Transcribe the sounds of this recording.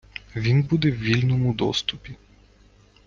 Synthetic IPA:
vinbud̪ɛvilʲnumud̪ɔ̰st̪upi

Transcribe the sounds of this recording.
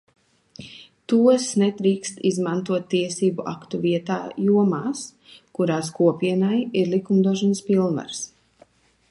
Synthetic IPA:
t̪uɔsnɛt̪ɾiːkst̪izmant̪uɔt̪ːiɛsiːbuʔa̰kt̪uviɛt̪aːjuɔmaːs | kuɾaːskuɔpiɛnajiɾlˠikumd̪uɔʃ̬ɔnəspilˠnva̰ɾs

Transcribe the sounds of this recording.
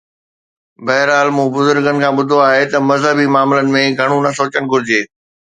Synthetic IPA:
bɐɦɪɾaːlmũːbʊzʊɾɡənɪ̆kʰãːɓʊd̪ʱoaːɦet̪ɐmɐzɦəbimaːmlənɪ̆mẽɡʱɐɽ̃ũnɐsoːt͡ɕəñɪ̆ɡʱʊɾɪd͡ʑeː

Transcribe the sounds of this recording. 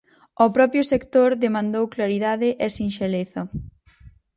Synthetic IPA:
opɾɔpɾjʊsekt̪oɾðemãnd̪owklaɾiðaðɪʔɛsinʃeleθɐ

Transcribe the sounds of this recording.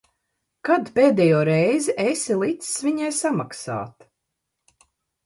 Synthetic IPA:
kad̪peːd̪ɛjɔːɾɛjzɛʔesʲilˠit̪sviɲajsamaksa̰ːt̪

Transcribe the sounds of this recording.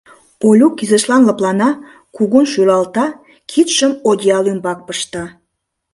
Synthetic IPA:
olʲukːizə̆ʃlɑnləplɑnɑ | kuɣunʃylɑlt̪ɑ | kʰit̪ʃəmod̪ʲiɑlømbɑk̚pəʃt̪ɑ

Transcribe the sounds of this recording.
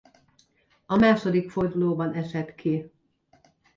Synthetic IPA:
ɒmaːʃod̪ikford̪uloːbɒnʔɛʃɛt̪kʰi

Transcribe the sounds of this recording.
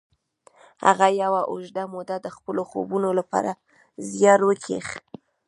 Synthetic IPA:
ha̰ɣajawaʔʊʒd̪amud̪ad̪əxpəloxo̰bunolapɑ̰ɾa | zjɑɾwəkʰḛx

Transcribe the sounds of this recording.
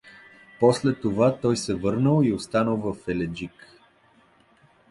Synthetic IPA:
pɔslɛt̪ovat̪ɔjsɛvɤɾnəlˠiost̪anəlˠvəfɛlɛd͡ʒik

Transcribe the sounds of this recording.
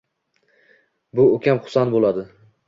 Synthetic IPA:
bʊokʲʰamχʊ̥sanbolˠad̪ɪ

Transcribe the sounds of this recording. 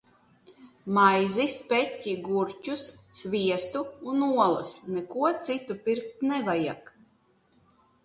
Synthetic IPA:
majzispʲɛtʲːiɡuɾt͡ʃʲusːvʲiɛst̪uːnuɔlˠɨsnɛkuɔt̪sit̪upʲiɾk̚t̪nɛvaja̰k

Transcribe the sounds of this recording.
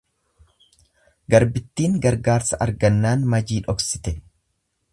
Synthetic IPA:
ɡɐɾbɪt̪ːiːŋɡɐɾɡaːɾsɐʔɐɾɡɐnːaːnmɐd͡ʒiːᶑɔksɪ̥t̪ɛ

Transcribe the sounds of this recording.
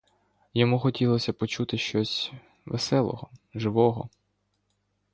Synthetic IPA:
jɔmuxɔtʲilˠɔsʲɐpɔt͡ʃut̪ɪʃt͡ʃɔsʲ | ʋḛsɛlˠɔ̰ɦɔʒɪʋɔɦɔ

